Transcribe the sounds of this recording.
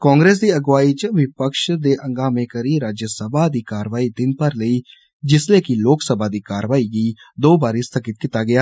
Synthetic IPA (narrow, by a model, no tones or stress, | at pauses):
kãːŋɡɾeːs̬d̪iːəɡʋaːiːt͡ʃəʋɪpəkʃd̪eːʔəŋɡaːmẽːkəɾiːɾaːd͡ʒjəsəbʱaːd̪iːkaːɾəʋaːiːd̪ɪnpəɾləiː | d͡ʒɪsleːkɪloːksəbaːd̪iːkaːɾʋaːiːɡiːd̪oːbaːɾiːst̪ʰəkɪt̪̚kɪt̪aːɡɪaː